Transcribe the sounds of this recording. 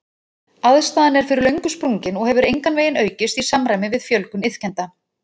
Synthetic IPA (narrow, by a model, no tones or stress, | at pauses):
aðst̪aːðanɛɾ̥fɪɾɪɾlœɥŋkʏspɾuŋcɪnɔɣhɛvʏɾejŋkanveːjɪnœːɥcɪst̪isamɾajmɪvɪðfjœlkʏnɪð̥cɛnt̪a